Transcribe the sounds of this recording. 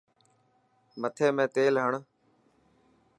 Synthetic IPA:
mət̪ʰeːmẽːt̪eːlɦəɳ

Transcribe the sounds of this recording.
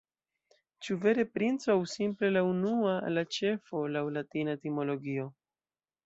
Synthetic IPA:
t͡ʃuve̞ɾe̞pɾint͡soawsimple̞launualat͡ʃe̞fo̞lawlatinatimo̞lo̞ɡio̞

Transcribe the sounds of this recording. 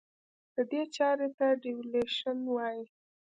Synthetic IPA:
d̪̥əd̪et͡ʃɑɾet̪aɖiwleʃənwɑji

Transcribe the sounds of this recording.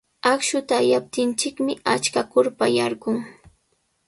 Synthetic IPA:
akʃʊt̪aːjap̚t̪ɪnt͡ʃɪkmɪat͡ʃkakʊɾpajaɾɢʊŋ

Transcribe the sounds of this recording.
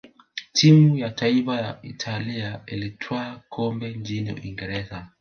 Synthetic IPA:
tʰimujataifajaitʰaliailitʰwaːkʰɔmbɛɲt͡ʃiniṵʔḭŋɡɛɾɛza

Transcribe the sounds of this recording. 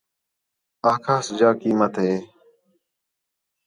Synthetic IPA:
aːkʰaːsd͡ʒaːkiːmət̪ɦeː

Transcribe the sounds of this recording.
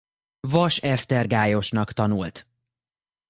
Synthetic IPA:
vɒʃɛst̪ɛrɡaːjo̞ʃnɒkt̪ɒnult̪

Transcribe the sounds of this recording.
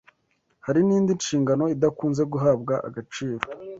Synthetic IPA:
haɾiniːndinʃiːŋɡano̞idakuːnze̞ɡuɦaːbɡaʔa̰ɡat͡ʃiːɾo̞

